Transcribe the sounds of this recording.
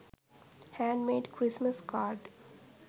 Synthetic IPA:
hæ̃ːɳmeːɖkʰɾɪsməskʰaːɾɖ

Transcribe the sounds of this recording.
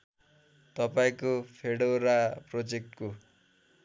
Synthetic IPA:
t̪ʌpaĩkopʰeɽoɾaprod͡zek̚ʈko

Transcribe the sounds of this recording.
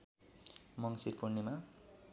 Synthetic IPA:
mʌŋsiɾpurnema

